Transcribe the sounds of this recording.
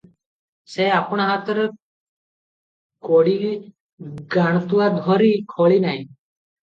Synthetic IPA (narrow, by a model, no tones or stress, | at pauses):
seapɳ̃aɦat̪ɾ | koɽi | ɡaɳ̃t̪uad̪ʱɔɾikʰoɭinaɦĩ